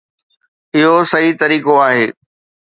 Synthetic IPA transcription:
ɪɦosɐɦit̪ɐɾiːkoaːɦeː

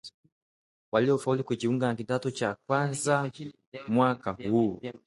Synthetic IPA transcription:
waliɔfaulikukiuŋɡanakitatɔt͡ʃakwanza | mwakahu

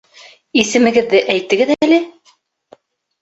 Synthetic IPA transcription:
isɘ̆mɘ̆ɡɘ̆ðːɘʔæjt̪ɘ̆ɡɘðælɘ

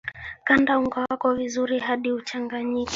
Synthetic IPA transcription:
kandauŋɡawakɔvizuɾiɦaɗiut͡ʃaŋɡaɲik

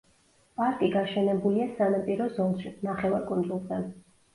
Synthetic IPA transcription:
pʼaɾkʼiɡaʃɛnɛbuliasanampʼiɾɔzɔnʃinaχɛvaɾkʼund̪zulˠd̪ʰan

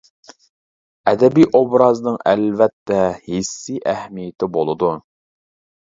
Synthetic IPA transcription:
ɛd̪ɛbiʔobɾɑznɨŋælvɛt̪ːɛhisːiʔæhmijɪt̪ʰɪbolˠɨd̪u

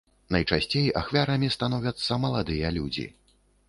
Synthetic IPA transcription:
nɐjt͡ʂasʲt͡sʲeja̰xvʲaɾɐmʲist̪anɔvʲɐt̪sːɐmɐlˠad̪ɨjɐlʲud͡zʲḭ

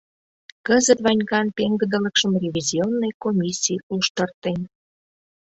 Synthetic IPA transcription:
kəzət̪βɑnʲɡɑnt̪eŋɡə̆d̪ələ̆kʃə̆mrʲevʲizʲionːojkomʲisʲːijʔuʃt̪ə̆rt̪en

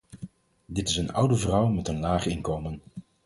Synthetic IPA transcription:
dɪtɪsənʌ̰wdəvrʌwmɛtənlaːχɪnkowmən

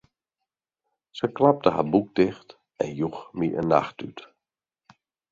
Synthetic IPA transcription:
səklap̚təha̰buk̚dɪxt | ɛ̰njuxmiʔə̰nːa̰xtyt

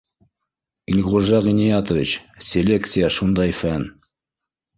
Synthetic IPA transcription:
ilʁuʒɑʁinijat̪ŏvʲit͡ɕsʲelʲe̞kt̪sɨjəʃund̪ɑjfæn

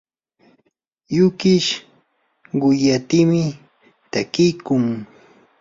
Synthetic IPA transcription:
jʊkɪʃ | ɢʊjat̪ɪmɪ | t̪akɪjkʊŋ

